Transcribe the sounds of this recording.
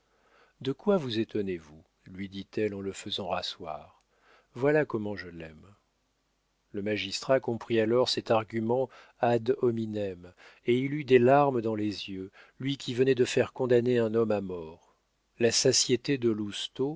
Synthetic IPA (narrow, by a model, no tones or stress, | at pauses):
d̪əkwavuzet̪ɔnevu | lɥid̪it̪ɛlɑ̃ləfəzɑ̃ʁaswa̰ʁ | vwalakɔmɑ̃ʒəlɛm | ləmaʒist̪χakɔ̃pχialɔʁsɛt̪aʁɡʲymɑ̃ | ad̪ɔminɛmeilyd̪elaʁməd̪ɑ̃lezjø | lɥikʲivənɛd̪əfɛʁkɔ̃d̪aneɛ̃nɔmamɔʁ | lasasjet̪ed̪əlust̪o